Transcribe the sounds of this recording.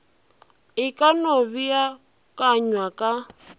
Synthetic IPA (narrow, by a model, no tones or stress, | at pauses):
ikʼanoβia | kʼaɲwakʼa